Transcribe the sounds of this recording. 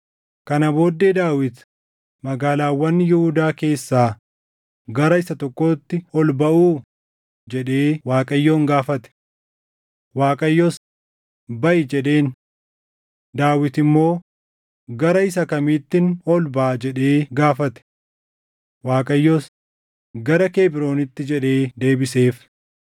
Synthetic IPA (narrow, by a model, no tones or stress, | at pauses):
kɐnɐbo̞ːd̪ːe̞ːd̪aːwɪt̪ | mɐɡaːlaːwːɐnːɪjɪhud̪aːke̞ːsːaː | ɡɐɾɐɪsɐt̪ɔkːo̞ːt̪ːɪɔlbɐʔuː | d͡ʒɛᶑe̞ːwaːkʼɐjːoːŋɡaːfɐt̪ɛ̥ | waːkʼɐjːoːs | bɐʔɪd͡ʒɛᶑe̞ːn | d̪aːwɪt̪ɪmːo̞ː | ɡɐɾɐɪsɐkɐmiːt̪ːɪnɔlbaːd͡ʒɛᶑe̞ːɡaːfɐt̪ɛ̥ | waːkʼɐjːoːs | ɡɐɾɐkeːbɪɾo̞ːnɪt̪ːɪd͡ʒɛᶑe̞ːd̪e̞ːbɪse̞ːf